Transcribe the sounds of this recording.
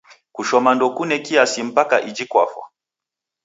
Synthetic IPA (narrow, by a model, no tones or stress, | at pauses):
kuʃɔmandɔkunɛkiasim̩pakaʔid͡ʒikwa̰fwa̰